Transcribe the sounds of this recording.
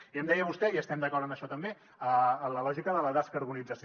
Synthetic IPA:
iəmd̪ɛjəβust̪ɛiəst̪ɛmd̪əkɔɾt̪əməʃɔt̪əmbe | ələlɔʒikəðələðaskəɾβunid͡zəs

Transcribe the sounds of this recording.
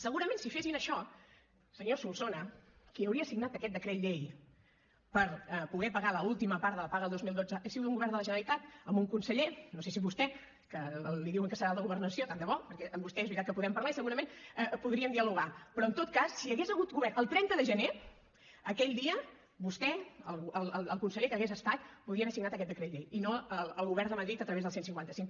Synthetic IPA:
səɣuɾəmensifesinəʃɔ | səɲosulˠsonəkiəwɾiəsiɡnat̪əkɛt̪d̪əkɾet̪ʎej | pəɾpuɣɛpəɣaləulˠt̪iməpaɾt̪ələpaɣəlˠd̪ozmilˠd̪od͡zəʔəsiɣut̪uŋɡuβɛɾnd̪ələʒənəlit̪at̪əmbuŋkunsəʎenoses̬iβust̪ɛ | kəliðiwəŋkəsəɾalˠd̪əɣuβərnəsiot̪and̪əβɔpəɾkɛʔəmbust̪ɛezβɾit̪at̪̚kəpuðɛmpəɾlaisəɣuɾəmenəpuðɾiəmd̪iəluɣ̞apɾɔənt̪ot̪kasːiəɣezəɣut̪ɡuβɛrnəlˠt̪ɾɛnt̪əðəʒəne | əkɛʎd̪iə | βust̪ɛəlˠəlˠəlˠəlˠkunsəʎekəɣezəst̪at̪puðɾiəβɛɾsiŋnat̪əkɛt̪d̪əkɾeʎeinoələlˠɣuβɛɾrnd̪əməðɾit̪ət̪ɾəβezðlˠsensiŋkwant̪əsiŋ

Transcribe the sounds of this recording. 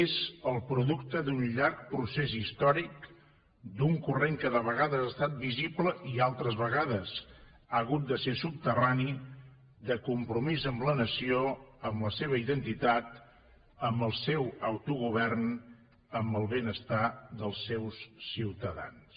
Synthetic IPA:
ezəlˠpɾuðukt̪əd̪unʎaɾk̚pɾusezist̪ɔɾik | d̪uŋkureŋkəðəβəɣaðəzast̪at̪̚bizipləʔialˠt̪ɾəzβəɣaðəs | aəɣut̪̚d̪əsesup̚t̪ərani | ðəkumpɾumizəmlənəsioəmləseβ̞əiðənt̪it̪at̪ | əmbəlˠsewəwt̪uɣuβ̞ɛrn | əmbəlˠβenəst̪ad̪əlˠsːewsːiwt̪əða̰ns

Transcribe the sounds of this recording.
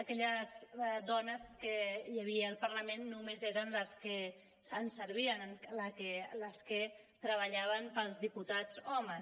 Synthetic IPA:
əkɛʎəzdɔnəskəjəβiəːlˠpəɾləmenːumezeɾənləskə | sənsəɾβ̞iənləkələskə | t̪ɾəβəʎaβənpəlˠzðiput̪azɔmə

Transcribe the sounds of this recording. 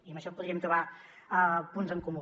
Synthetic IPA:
iəmbəʃɔpuðɾiəmt̪ɾuβa | punzəŋkumu

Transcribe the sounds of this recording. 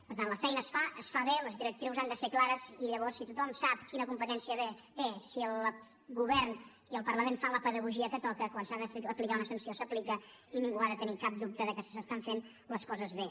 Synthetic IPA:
pəɾt̪anləfɛjnəːsfaʔəsfaβeləzðiɾək̚t̪ɾiwzand̪əseklaɾəziʎəβ̞ɔrsit̪ut̪ɔmsapkinəkumpət̪ɛnsiəβebesiəlˠ | ɣuβɛɾn | iəlˠpəɾləmenfanləpəðəɣuʒiəkət̪ɔkəkwansaðəfeəplikaunəsənsiosəplikəiniŋɡuaðət̪ənikap̚d̪up̚t̪əðəkəsə̥səst̪aɱfen | ləskɔzəzβe

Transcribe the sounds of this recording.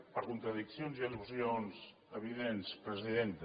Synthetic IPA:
pəɾkunt̪ɾəðiksjonziəðupsionz | əβiðenspɾəziðent̪

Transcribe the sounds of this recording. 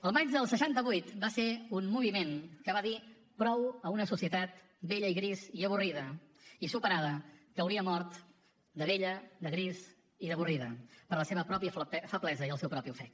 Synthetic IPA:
əlˠmad͡ʒðəlˠsəʃant̪əβujt̪baseunmuβ̞imenkəβ̞aði | pɾɔwəunəsusiət̪at̪̚ | beʎəiɣɾiziəβ̞uriðəisupəɾaðəkəwɾiəmɔɾt̪ | d̪əβeʎəd̪əɣɾiz | iðəβ̞uriðəpəɾləseβəpɾɔpiəffəβlɛzəiəlˠsɛwpɾɔpiufɛk

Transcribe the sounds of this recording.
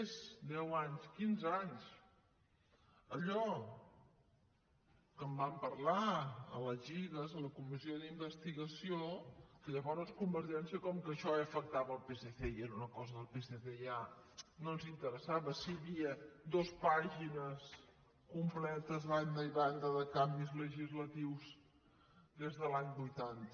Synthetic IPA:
ezd̪ɛwaɲskinzaɲs | əʎɔ | kəmbampəɾlaə̰ləzʒiɣəzələkumizioðimbəst̪iɣəsiokəʎəβɔɾskumbəɾʒɛnsiəkɔmkəʃɔeəfək̚t̪aβəːlˠpeseθeiɛɾunəkɔzəðəlˠpeseθejanonzint̪əɾəsaβəsiβiəd̪ospaʒinəs | kumplɛt̪əzðand̪əiβand̪əðəkambizləʒizlət̪iwz | d̪ezðəlaɲbujt̪ant̪ə

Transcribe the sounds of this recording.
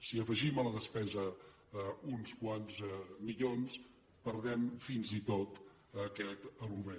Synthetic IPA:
siəfəʒimələðəspɛzə | unskwanzmiʎons | pəɾðɛmfinzit̪ot̪ | əkɛt̪əlɣuβe

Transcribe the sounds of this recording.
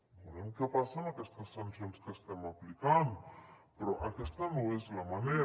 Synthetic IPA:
bonemkepasanakest̪asːansjonskest̪emaplikand̪upeɾoʔakest̪anoezlamane

